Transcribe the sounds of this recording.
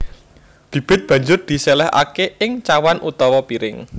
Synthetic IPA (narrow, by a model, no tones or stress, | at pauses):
b̥i̤b̥ɪ̤t̪̚b̥ä̤ɲd͡ʒʊrd̪̥i̤sɛlɛɦa̰keɪŋt͡ʃawanʔut̪ɔwɔpiɾɪŋ